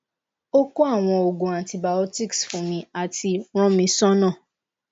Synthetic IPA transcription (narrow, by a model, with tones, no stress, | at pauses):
o˦ko˦a˦˨w̃ɔ̃˧o˨ɡõ˨ã˨nti˨ba˨ɔ˦ti˦ksfũ˨˦mĩ˧˦a˨tʰi˧w̃ɔ̃˦mĩ˧sɔ̃˦nãː˦˨